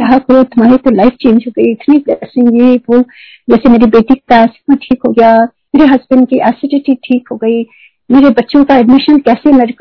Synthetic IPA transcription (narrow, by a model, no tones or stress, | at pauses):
ɾɐɦakɐɾot̪ʊmaːɾet̪olaɪfʰt͡ʃẽːnd͡ʒɦoːɡɐiɪt̪nisɪ̃jeʋo | d͡ʒɛːsemeːɾebeːʈikːaɛskmɐʈʰiːkɦoːɡɐjaː | meːɾeɦɐzbəɳɖ̚kiʔɛːseʈiʈiʈʰiːkɦoːɡɐi | meːɾebɐtːʃõkaɛɖmɪʃənkɛːsemɐɾk